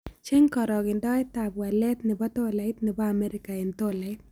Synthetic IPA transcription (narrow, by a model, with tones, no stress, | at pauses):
t͡ʃe˦ŋkɔ˨ɾɔ˨ɡɪ˨ndɔ˦e˦t̪a˨bwa˨lɛ˦t̪nɪ˨bɔ˦t̪o˦la˨ɪ˦t̪nɪ˨ba˦a˨mɛ˦ɾɪ˦ka˨e˨nt̪o˦la˨ɪ˦t̪